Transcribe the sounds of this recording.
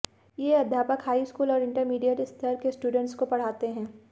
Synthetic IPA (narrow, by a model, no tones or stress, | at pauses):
jeɐd̪ʱjaːpəkɦaːiskuːlɔːɾɪ̃ɳʈəɾmiːɖijəʈɪst̪ʰəɾkesʈuːɖə̃ɳʈskopɐɽ̤aːt̪eɦɛ̃ː